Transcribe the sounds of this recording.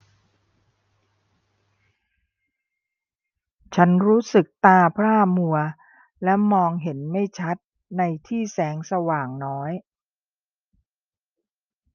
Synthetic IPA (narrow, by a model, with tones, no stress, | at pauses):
t͡ɕʰa˦˥nɾuː˦˥sɯ˨˩k̚t̪aː˧pʰɾaː˥˩mu˧ɐ | lɛ˦˥mɔː˧ŋɦe˩˦nma˥˩jt͡ɕʰa˦˥t̪̚ | na˧jt̪ʰiː˥˩sɛː˩˦˥ŋsa˧waː˨˩ŋnɔː˦˥j